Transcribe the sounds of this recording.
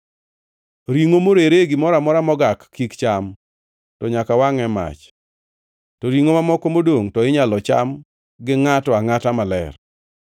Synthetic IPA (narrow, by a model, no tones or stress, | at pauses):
ɾiŋomoɾeɾeɡɪmɔɾamɔɾamɔɡakʰːikt͡ʃam | tɔɲakawaŋɛma̰t͡ʃ | tɔɾiŋomamɔkɔmodoŋtɔɪɲalɔt͡ʃa̰m | ɡɪŋatɔaŋatamalɛ̰r